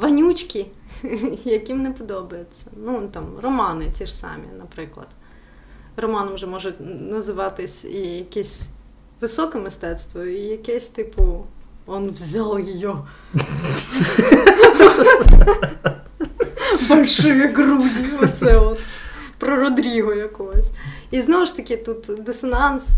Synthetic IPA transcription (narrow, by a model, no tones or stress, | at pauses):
ʋɐnʲut͡ʃʲkʲi | jɐkʲimnɛpɔd̪ɔbɐjet͡sʲːɐnut̪ɑmrɔmɑnɪt͡sʲiʂsɑ̰mʲḭnɐpɾɪklˠɐ̰d̪̥ | rɔmɑnɐmʒɛmɔʒɛnɐzɪʋɑt̪ɪsʲijɐkʲɛsʲ | ʋɪsɔkɛmɪst̪ɛt̪st̪ʋɔjijɐkɛsʲt̪ɪpʊɔnʋzʲɑlˠjɪjɔ | bɐlʲʃɔjiɡrudʲiɔt̪sɛɔt̪pɾɔɾɔd̪ɾʲiɦɔjɐkɔɦɔsʲiznɔʋʊʃt̪ɐkʲɪt̪ut̪d̪ɪsɐnɑns